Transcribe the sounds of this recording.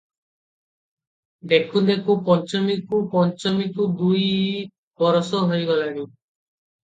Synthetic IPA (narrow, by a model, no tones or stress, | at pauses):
d̪ekʰud̪ekʰupɔnt͡ʃɔmikupɔnt͡ʃɔmikud̪uj | bɔɾɔsɔɦojɡɔlaɽi